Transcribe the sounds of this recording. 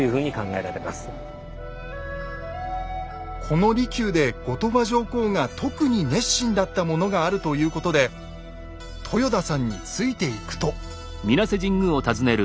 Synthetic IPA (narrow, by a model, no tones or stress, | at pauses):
jɯ̟ːɸɯ̟ːɲ̟ikãŋɡae̞ɾaɾe̞ma̰sɨ̥ | kʰo̞no̞ɾʲikʲɨːd̪e̞ɡ̥o̞t̪o̞baʑo̞ːko̞ːŋat̪ʰo̞kɯ̟ɲ̟ine̞ɕːĩnd̪at̪ːamo̞no̞ɡaːɾɯ̟t̪o̞jɯ̟ːko̞t̪o̞d̪e̞ | t̪ʰo̞jo̞d̪asãɲ̟ːit͡sɨit̪e̞ikɯ̟̥t̪o̞ | mʲinase̞ʑĩŋɡɯo̞t̪azɨne̞ɾɯ̟